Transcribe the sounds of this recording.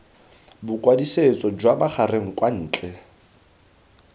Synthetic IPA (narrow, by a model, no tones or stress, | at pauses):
bʊkʼwadiset͡sʼɔd͡ʒwabaχareŋ̩kʼwan̩ːt͡ɬʼɛ